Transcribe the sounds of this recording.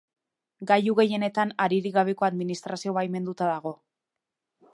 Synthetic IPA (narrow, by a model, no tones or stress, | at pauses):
ɡajuɣe̞je̞ne̞t̪anaɾiɾiɣaβ̞e̞ko̞aðminist̪ɾasio̞βajme̞nd̪ut̪aðaɣ̞o̞